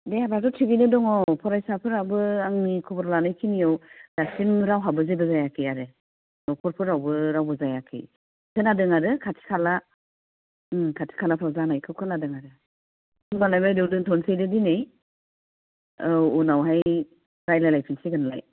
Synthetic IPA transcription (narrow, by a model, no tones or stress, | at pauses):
dejabɾatɔtʰibinɯdɔŋɔpʰɔɾajsapʰɯɾabɯaŋnikʰɔbɔɾlanɯjkʰinijɔwdasinɾawɦabɯzebɯzajakʰiaɾɯ | nɔkʰɔɾpʰɯɾawbɯɾawbɯzajakʰḭ | kʰɯnadɯŋaɾɯkʰatʰi̥kʰala | kʰatʰi̥kʰalapʰawzanajkʰɯkʰɯnadɯŋaɾɯ | ɯŋbalajmajdɯwdɯŋtʰɔnsejdɯdinej | ɔnawɦaj | ɾajlajlajpʰinsiɡɯnla̰j